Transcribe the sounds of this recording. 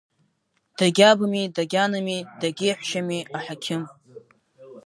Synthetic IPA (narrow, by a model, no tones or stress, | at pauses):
d̥aɡʲabamidaɡʲanɨmidaɡʲeħʷʃamiʔaħakʲʰɪm